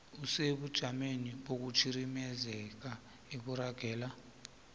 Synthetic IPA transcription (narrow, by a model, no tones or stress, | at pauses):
useɓud̥ʒ̥ʱameniɓok̬ut͡ʃʰiɾimɛzɛk̬a | ekuɾaɡ̥ʱɛːla